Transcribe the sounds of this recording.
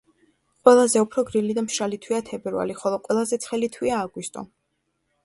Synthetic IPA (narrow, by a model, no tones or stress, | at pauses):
qʼwɛlˠazɛupʰɾɔɡɾilid̪amʃɾalit̪ʰwiat̪ʰɛbɛɾva̰liχɔlˠɔqʼwɛlˠazɛt̪sʰχɛlit̪ʰwiaːɡwist̪ʼɔ̰